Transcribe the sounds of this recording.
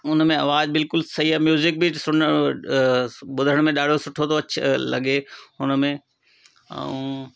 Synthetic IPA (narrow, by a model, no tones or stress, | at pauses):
ʊnmẽɐʋaːd͡ʑbɪlkʊlsɐɦiɦɛːmjuːzɪk̚bʱisʊə | ɓʊd̪ʱəɽ̃mẽɗaːɖ̤ʱosʊʈʰot̪ʰoɐt͡ɕʰlɐ̰ɠeʊnəmẽ | ɛ̰̃ũː